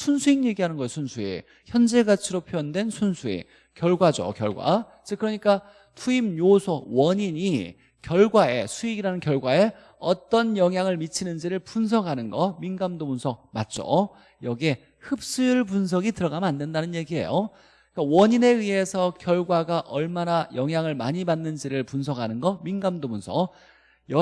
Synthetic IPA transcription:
sʰunsʰuiŋje̞ɡiɦanɯnɡʌjosʰunsʰuḛ | çjʌnd͡ʑeɡat͡ɕʰiɾopʰjojʌndwe̞nsʰunsʰuḛ | kjʌɭɡwad͡ʑo̰kjʌ̰ɭɡwa̰ | t͡ɕikkɯɾʌɲik͈a | tʰuimɲosʰowʌɲiɲi | kjʌɭɡwae̞sʰuiɡiɾanɯnkjʌɭɡwae̞ | ʌt͈ʌnjʌŋɦjaŋɯɭmit͡ɕʰinɯnd͡ʑiɾɯɭpuns̬ʰʌɡɦanɯnɡʌminɡamdobunsʰʌk̚mat̚t͡ɕ͈o̰ | jʌɡie | hɯp̚s͈ɯjuɭpuns̬ʰʌɡitɯɾʌɡamjʌnandwendanɯnje̞ɡiɦe̞̰jo | k͈awʌɲine̞iɦe̞sʰʌkjʌɭɡwaɡaʔʌɭmanajʌŋɦjaŋɯɭmaɲimanːɯnd͡ʑiɾɯɭpunsʰʌɡanɯnɡʌminɡamdobunsʰʌ | jʌ

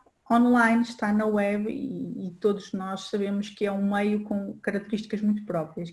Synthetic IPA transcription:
ɔ̃nlˠajnʃt̪anɐwɛβḭːt̪oðuʒnɔʃsɐβemʊʃkɨɛũmejukõkɐɾɐk̚t̪ɨɾiʃt̪i̥kɐʒmũj̃t̪u̥pɾɔpɾiɐʃ

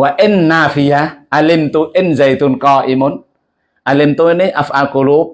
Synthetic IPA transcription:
waʔɪnːaːfijaʔalɪmt̪uʔɪnzajt̪unkɑːʔimʊn | ʔalimt̪uneʔafʔalkolu

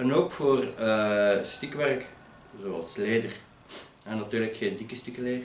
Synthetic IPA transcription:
ɛnoːkfoːrəstikʋɛrk | zoːɑ̰lˠsleːdər | ɛnːɑtyːrləkxeːndikəstikəleːə

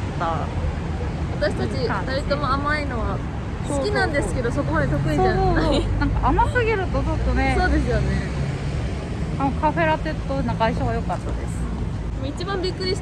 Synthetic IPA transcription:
t̪a̰ | βat̪aɕi̥t̪at͡ɕikasait̪omoamaino̞βa | soɨkʲinãnd̪e̞sɨ̥ke̞d̪o̞so̞ko̞mad̪e̞t̪o̞kɯ̟ɲisoaoːanãŋkaʔamasɨɡe̞ɾɯ̟t̪o̞t͡ɕo̞t̪ːo̞ne̞so̞ːd̪e̞sɨjo̞ne̞ | anokʰaɸe̞ɾat̪e̞t̪ːonaɡaiɕaβajo̞kat̪ːad̪e̞sɨ̥ | moit͡ɕibãmbʲikːɯ̟ɾʲi

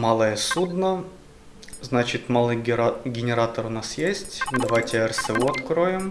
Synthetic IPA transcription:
malˠəjəsud̪nə | znat͡ɕɪt̪malˠɨjʲɡʲɪnʲɪɾat̪əɾʊnasjesʲtʲd̪ɐvajtʲɪɛrsɨuɐt̪kɾoɪm

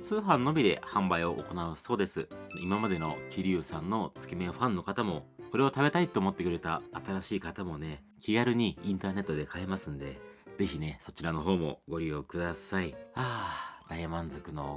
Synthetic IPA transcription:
t͡sɨːɦãnːo̞bʲid̪e̞̰hãmbaio̞ʔo̰ko̞naɯso̞ːd̪e̞sɨimamad̪e̞no̞kʲiɾʲɯːsãnːo̞t͡sɨ̥kʲimẽ̞ɸãnːo̞kat̪amo̞ko̞ɾe̞o̞t̪abe̞t̪ait̪ːo̞ːmo̞t̪ːe̞kɯ̟ɾe̞t̪aːt̪aɾaɕiːkat̪amo̞ne̞ | kʲiɡaɾɯ̟ɲ̟iĩnt̪aːne̞t̪ːo̞d̪e̞kʰae̞masɨ̃nd̪e̞d͡ze̞çine̞so̞t͡ɕiɾano̞ɦo̞ːmo̞̰ɡo̞ɾʲiokɯ̟d̪asaiaːd̪̥aimãnzokɯ̟no

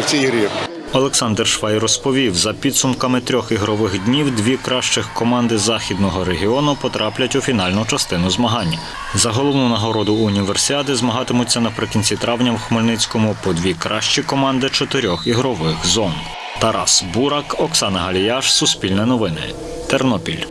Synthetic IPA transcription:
iɾʲ | ɔlˠɛksɑnd̪rʃʋɑjrɔspɔʋʲiwzɐpʲid̪sʊmkɐmɪt̪ɾʲɔxiɦɾɔʋɪxd̪ʲnʲiwd̪ʋʲikɾɑʃt͡ʃɪxkɔmɑnd̪ɪzɑxʲid̪nɔɦɔɾeɦʲiɔnʊpɔt̪ɾʔɑplʲɐtʲʊfʲin̪ɑlʲnʊt͡ʃɐst̪ɪnʊzmɐɦɑnʲːɐ | zɐɦɔlˠɔʋwnunɐɦɔɾɔd̪ʊːnʲiʋersʲɪɑt̪ɪzmɐɦɑt̪ɪmʊt͡sʲːɐnɐpɾɪkʲinʲt͡sʲit̪ɾɑwnʲɐmwxmɔlʲnɪt͡sʲkɔmʊpɔd̪ʲʋʲikɾʔɑʃt͡ʃikɔmɑnd̪ɪt͡ʃɔt̪ɪɾʲɔxiɦɾɔʋɪxzɔn | t̪ɐɾɑ̰sbuɾɑkɔksɑnɐɦɐlʲijɑʃsʊspʲilʲnɛnɔʋɪnɪ̰ | t̪ɛrnɔpʲilʲ

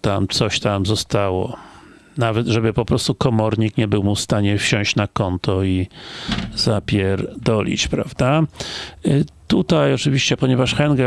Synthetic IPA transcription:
t̪amt̪sɔɕt̪amzɔst̪awɔ̰ | navɛt̪ʐɛbɘpɔpɾɔst̪ukɔmɔɾɲikɲɛbɘwmufst̪aɲɛfɕɔ̃ɕt͡ɕnakɔnt̪ʰɔi | z̥apʲjɛɾd̪ɔlʲḭt͡ɕpɾa̰vd̪a | t̪ut̪ajɔt͡ʂɘvʲiɕt͡ɕɛpɔɲɛvaʂxɛnɡɛ

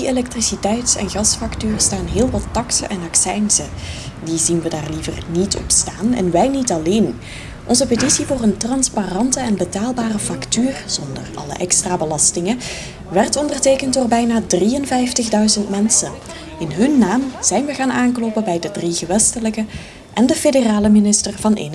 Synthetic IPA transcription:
dielɛk̚trisitɛjtsɛ̰nɣɑsfɑktyːrstaːnɦɪːlˠʋɑtːɑksə̰ʔɛnɑksɛjnsədizinʋədaːrlivə̰rnitɔ̰pstaːnɛ̰nʋɛjnitɑleːn | ʔɔnzəpetisivoːrəntrɑnsparɑntəɛnbətaːlˠbaːrəfɑktyːrz̥ɔndə̰rɑ̰lə̰ʔɛkstraːbəlɑstɪŋə | ʋɛrtɔndərteːkəntdʊːrbɛjnaːdriənvɛjftəɣdœɥzəntmɛnsən | ɪnɦɵnːaːmz̥ɛjnʋəɣaːnaːnklopəbɛjdədriɣəʋɛstələkə | ʔɛndəfedəraːləminɪstərvɑnʔḛːnə

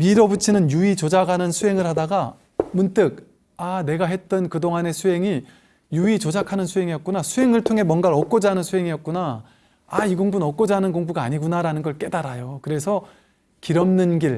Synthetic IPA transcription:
miɾʌbut͡ɕʰinɯnjuit͡ɕod͡ʑaɡanɯnsʰuɦe̞ŋɯɭhadaɡa | munt͈ɯɡ̚ | ane̞ɡaɦe̞t̚t͈ʌnkɯdoŋane̞sʰuɦe̞ŋi | juit͡ɕod͡ʑakʰanɯnsʰuɦeŋijʌt̚k͈unasʰuɦe̞ŋɯɭtʰoŋɦe̞mwʌnɡaɾʌk͈̚ʌd͡ʑaɦanɯnsʰuɦe̞ŋijʌt̚k͈una | aiɡoŋbunʌk͈ʌd͡ʑaanɯnkoŋbuɡaːɲiɡunaɾanɯnɡʌɭk͈e̞daɾajokɯɾe̞sʰʌ | kiɾʌmnɯnɡiɭ

